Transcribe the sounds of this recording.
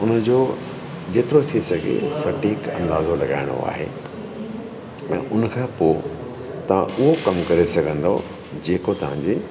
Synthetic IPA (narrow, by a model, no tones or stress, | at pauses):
ʊnəd͡ʑoː | d͡ʑeːt̪ɪɾot̪ʰisɐɡʱḛsɐʈiːkɐ̰̃nd̪aːzolɐɡa̰ːɪ̃ɽ̃o̰a̰ːɦḛː | ɛ̃ːʔʊnkʰãːpoː | t̪ɐʋ̤ã̰ʔʊɦokɐmkɐɾesɐɡʱə̃nd̪o̰ | d͡ʑeːkot̪ɐʋ̤ãɲd͡ʑe